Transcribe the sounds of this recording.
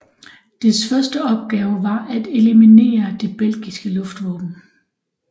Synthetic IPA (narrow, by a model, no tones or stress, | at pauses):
d̥esfɶɐsd̥əɒ̽b̥̚ɡ̥ɛːʊʋɑ̈ʔæd̥e̝limine̝̰ːɐd̥e̝b̥el̰ɡ̥isɡ̥əlɔ̽fd̥ʋɒ̰ːb̥n̩